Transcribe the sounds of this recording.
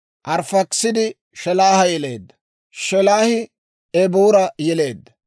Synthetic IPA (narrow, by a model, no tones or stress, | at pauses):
ʔɐɾfɐksɪd̪ɪ | ʃɛlaːhɐjɛleːd̪ːɐ̥ | ʃɛlaːhɪ | ɛbuːɾɐjɛle̞ːd̪ːɐ̥